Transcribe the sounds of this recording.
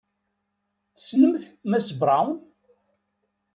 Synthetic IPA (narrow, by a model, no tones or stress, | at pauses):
θsnəmθmæsəbɾˤawn